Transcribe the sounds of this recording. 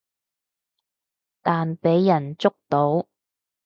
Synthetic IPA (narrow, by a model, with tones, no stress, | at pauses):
t̪aː˨npe˨˥jːɐ˨˩nt͡sʊ˥k̚t̪o˨˥w